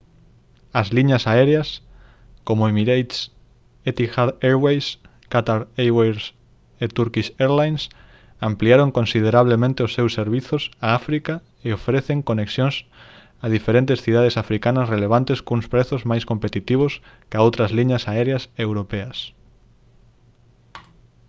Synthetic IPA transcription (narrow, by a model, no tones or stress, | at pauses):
ɐzliɲɐsaɛɾeas | komoemiɾejt̪s | et̪ixaðeɾwejs | kat̪aɾejwejɾs | et̪uɾkiseɾlajns | ampliaɾõŋkõnsiðeɾaβ̞lemẽnt̪eosːewsːeɾβiθʊsaafɾika | eofɾeθeŋkoneksjõŋs | aðifeɾẽnt̪esθið̞að̞esafɾikanɐsreleβ̞ant̪eskuŋspɾeθʊzmajskompet̪it̪iβ̞ʊs | kaowt̪ɾɐzliɲɐsaɛɾeasewɾopeɐs